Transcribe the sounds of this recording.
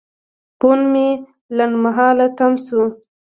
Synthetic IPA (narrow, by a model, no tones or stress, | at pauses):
ponme | lanmaɦɑlat̪amsu